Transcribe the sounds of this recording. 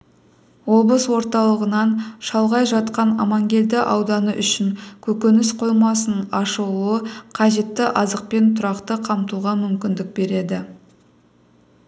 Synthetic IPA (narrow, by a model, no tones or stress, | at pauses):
wo̞blˠəswo̞ɾt̪ɑlˠəʁənɑnʃɑlˠʁɑjʒɑt̪qɑnɑ̰mɑŋɡʲe̞ld̪ɪʔɑwd̪ɑnəʔʏʃɪŋkʲʰɵkʲenɪsqʰo̞jmɑsənɑʃəlˠuəqʰɑʒe̞t̪ːɪʔɑzəq̚pe̞nt̪ʰʊɾɑqt̪əqʰɑmt̪uʁɑmʏmkʲɪnd̪ɪk̚be̞ɾe̞d̪ɪ